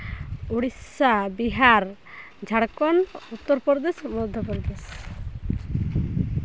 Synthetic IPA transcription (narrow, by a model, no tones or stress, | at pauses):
oɽisabiɦaɾ | d͡ʒʱaɽkɔnut̪ːɔɾpɔɾd̪esmɔd̪ʱjɔpɔɾd̪es